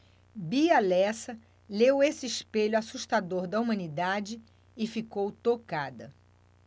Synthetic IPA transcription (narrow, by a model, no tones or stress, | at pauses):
bialɛsɐ | lewesɪiʃpeʎasuʃt̪ad̪oɾd̪ɐumɐ̃nid̪ad͡ʒɪ | ɪfikowt̪okad̪ɐ